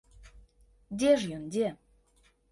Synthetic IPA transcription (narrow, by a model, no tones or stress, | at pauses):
d̪ʲeʒjond̪ʲe